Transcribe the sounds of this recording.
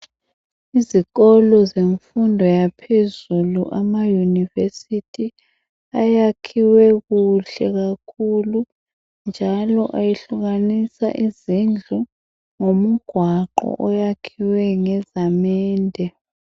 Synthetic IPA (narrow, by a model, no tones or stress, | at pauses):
iziɣɔlɔzeɱfundʱɔjapʰezuluʔamajunivesitʰi | ajakʰiwɛɣuɬɛɣakʰulu | nd͡ʒʱalɔʔajeɬuɣanisa̰ʔizind͡ɮʱu | ŋomuɡ̥ʱwaǃɔ̰ʔɔjakʰiwɛŋɛzamɛːndʱɛ